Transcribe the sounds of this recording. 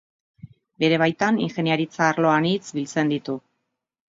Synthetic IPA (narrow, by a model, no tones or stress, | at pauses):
be̞ɾe̞β̞ajt̪aniŋxe̞niaɾit͡saːɾlo̞anit͡sbilt͡se̞nd̪it̪u